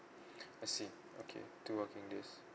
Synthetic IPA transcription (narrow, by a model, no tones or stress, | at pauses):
asi | o̰kʰḛtuwəkɪ̃ŋdɪs